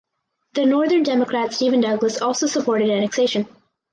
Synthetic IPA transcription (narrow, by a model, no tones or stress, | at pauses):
ðɨnɔɹðə̃˞ndɛməkʰɹ̥ætstivɨ̃ndʌɡləsɔlˠsoʊsəpʰɔɹɾɨɾænɨkseɪʃɨ̃n